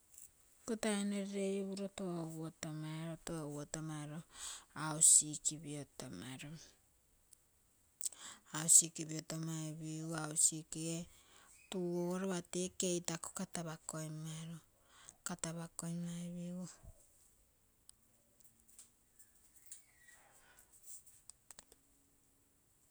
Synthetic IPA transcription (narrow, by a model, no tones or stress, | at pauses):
kotaeneɾɾeβuɾotowotomaɾotowotomaɾoaosikiβiotomaɾo | aosikiβiotomaiβiausikietuoɾoβatekejtako̥kataβakojmaɾo | kataβakojmaiβiu